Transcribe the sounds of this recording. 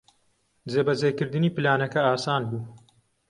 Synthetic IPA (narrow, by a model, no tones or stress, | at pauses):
d͡zeːbɐzeːkɨɾd̪ɨniːpɨlaːnɐkɐaːsaːnbuː